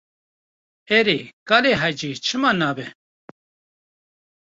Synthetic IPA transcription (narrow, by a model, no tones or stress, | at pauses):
eɾekaːleɦajd͡ʒiːt͡ʃʰɨmaːnaːbɛ